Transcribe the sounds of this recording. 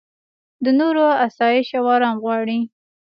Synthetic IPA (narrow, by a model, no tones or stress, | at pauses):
d̪ənoɾoasɑjɪʃjawɑɾɑmɣwɑɽi